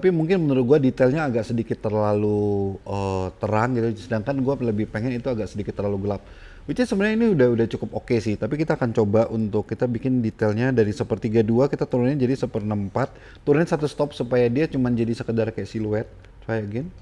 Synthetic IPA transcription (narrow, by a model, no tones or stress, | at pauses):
t̪apimuŋkɪnmənuɾʊt̪̚ɡuadit̪ɛlɲaːɡaʔsədikɪt̪ːərlaluʔət̪əɾaŋɡit̪usədaŋkanɡualəbɪhpeŋɛnit̪uaɡaʔsədikɪt̪ːərlaluɡəlap̚ | wit̪isəbənaainiudahudaht͡ʃukʊpokesɪht̪apikit̪aːkant͡ʃobaʔunt̪ʊkːit̪abikɪndit̪ɛlɲadaɾisəpərt̪iɡaduakit̪at̪uɾunɲad͡ʒadisəpərnəmpat̪̚ːuɾunɲasat̪ust̪ɔp̚supajadiat͡ʃumand͡ʒadisəkədarkajaʔsiluɛt̪̚ | t͡ʃuajaɡɪn